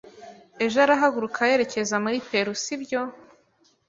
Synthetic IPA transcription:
e̞ʒaɾaɦaɡuɾukʰaje̞ɾe̞ce̞zamuɾipe̞ɾusibɟo̞

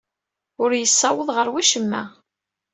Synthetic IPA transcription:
ʊɾjəsːɑwəðˤʁəɾwiʃəmːæ̰

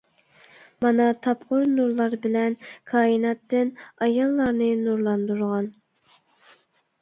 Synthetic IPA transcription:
mɑnɑt̪ʰɑpqʊɾnuɾlˠɑɾbɪlɛnkʰɑːinɑt̪ːɨnɑjɑlˠːɑɾnɨnuɾlˠɑnd̪uɾʁɑn

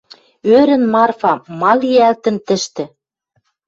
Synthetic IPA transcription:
øɾɘ̆nmɑrfɑmɑliælt̪ə̆nt̪ɘ̆ʃt̪ɘ̆

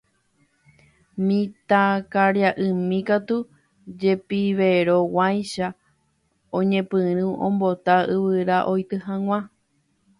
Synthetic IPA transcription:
mĩt̪akaɾjaʔɨmĩkat̪u | d͡ʒe̞piʋeɾo̞wajʃa | õɲẽpɨ̃ɾ̃ɨ̃ʔõmbo̞t̪aɨβɨɾaʔo̞jt̪ɨɦãŋw̃ʷã

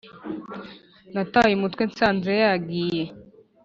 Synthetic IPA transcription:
natajemutwensaːnzejaɡije

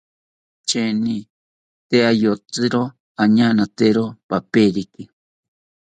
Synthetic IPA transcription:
t͡ʃenĩ | t̪eajot͡sɨɾo | aɲãnãt̪eɾopapeɾiki

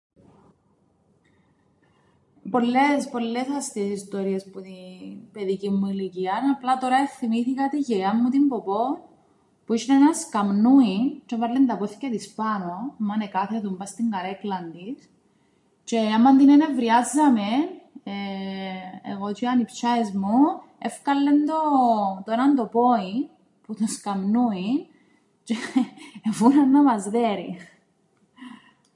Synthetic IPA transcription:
po̞lːespo̞lːesɐst̪esist̪o̞ɾiesput̪ipe̞ðicimːuiliciɐnɐplɐt̪o̞ɾɐefθimiθikɐt̪iʝeɐmːut̪imbopo̞ | puiʃinenɐskɐmnuit͡ʃevɐɾlːend̪ɐpoθiceðispɐnomːɐnekɐθeðumbɐst̪iŋɡɐɾeklɐnd̪is | t͡ʃeamːɐnd̪inenevɾiazːɐmene | ḛɣot͡ʃ̪iɐnipt͡ʃaezmu | efkɐlːend̪ot̪oenɐnd̪opoin | put̪oskamnuin | t͡ʃeː | funɐnːɐmɐzðeɾi

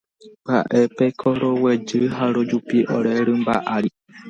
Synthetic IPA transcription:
ba̰ʔe̞pekʰoɾowed͡ʒɨɦaɾod͡ʒupiʔoɾeɾɨmba̰ʔaɾi

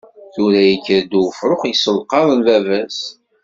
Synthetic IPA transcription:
θuɾæjəkːəɾd̪ufɾʊχjəsəlqɑðˤənvævæs

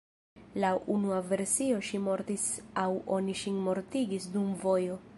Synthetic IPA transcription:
laʔunuave̞ɾsio̞ʃimo̞ɾtisawo̞niʃinmo̞ɾtiɡisdumvo̞jo̞

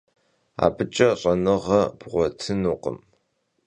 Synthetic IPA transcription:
a̰ːbɨt͡ʃʼɐɕʼɐnɨʁɐb̥ʁʷɔtʰɨnuːqʼə̰m

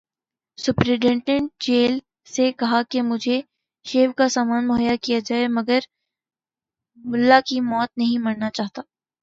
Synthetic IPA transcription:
sʊpɾeɖɛ̃ːɳʈə̃ɳʈ̚d͡ʒeːl | sekɐɦakemʊd͡ʒʱe | ʃeːʋkasaːmaːnmʊɦəjːakijad͡ʒaːemɐɡəɾ | mʊlːakimɔːt̪̚nɐɦĩmɐɽnat͡ʃaːɦt̪aː

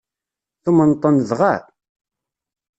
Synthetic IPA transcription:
θumənt̪ˤːənðʁa

